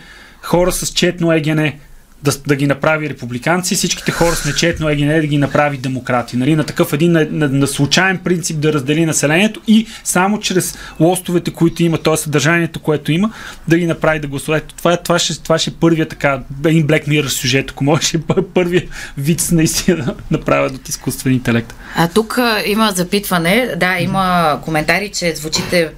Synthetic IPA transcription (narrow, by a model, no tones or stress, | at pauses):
xɔɾəsɐst͡ʃɛt̪noɛɡʲɛnɛ | d̪ɐd̪ɐɡʲinɐpɾaviɾɛpublikant̪sifsit͡ʃki̥t̪ɛxɔɾəsnɛt͡ʃɛt̪noɛɡʲɛnɛd̪ɐɡʲinɐpɾavid̪ɛmokɾat̪iənɐlinɐt̪ɐkɤfɛd̪inːɛnɐnɐslˠut͡ʃaɛmpɾint̪sip̚d̪ɐɾəzd̪ɛlinɐsɛlɛniɛt̪oi | samot͡ʃɾɛslˠɔst̪ʊvɛt̪ɛkoit̪ʊimɐt̪ɔɛssəd̪ɐɾʒaniɛt̪okoɛt̪oiməd̪ɐɡinɐpɾavid̪ɐɡlˠɐsuvɛt̪t̪ovaɛt̪ovaʃɛt̪ovaʃɛɛpɤɾvijət̪ɐ̥kaɛd̪inblɛkmiɾsʲjuʒɛt̪ɐ̥komɔʒɛʃɛppɤɾvijəvit̪snɐist̪inɐd̪ɐnɐpɾavʲjət̪ot̪iskust̪vɛnint̪ɛlɛk̚t̪ | at̪ukimɐzɐpit̪vɐnɛd̪aimɐkomɛnt̪aɾit͡ʃɛzvut͡ʃit̪ɛ